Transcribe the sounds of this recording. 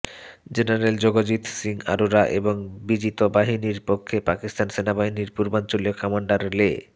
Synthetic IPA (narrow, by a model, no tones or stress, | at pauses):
d͡ʑenaɾeld͡ʑoɡod͡ʑit̪siŋa̰ɾuɾaʔeboŋbid͡ʑit̪obaɦiniɾpokʰːepakist̪ansenabaɦiniɾpuɾbant͡ɕoliokɔmaɳɖaɾle